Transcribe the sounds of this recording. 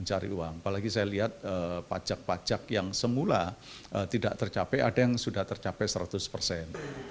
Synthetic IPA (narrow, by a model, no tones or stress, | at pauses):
nt͡ʃaɾḭuwaŋapalaɡisajaliɦat̪̚əpḁd͡ʒak̚pḁd͡ʒakjaŋsəmulaət̪idaʔt̪ərt͡ʃapɛʔadajaŋsudaht̪ərt͡ʃapɛʔsəɾat̪ʊspərsɛn